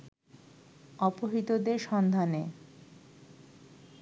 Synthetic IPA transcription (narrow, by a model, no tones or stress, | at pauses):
ɔpoɦit̪od̪eɾʃɔnd̪ʱane